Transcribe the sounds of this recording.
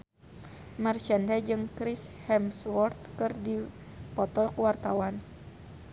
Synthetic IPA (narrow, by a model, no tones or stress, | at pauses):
mɛrt͡ʃɛndɛd͡ʒɨŋkɾishɛmswɔrt̪̚kɨrdi | pɔt̪ɔkuwart̪awan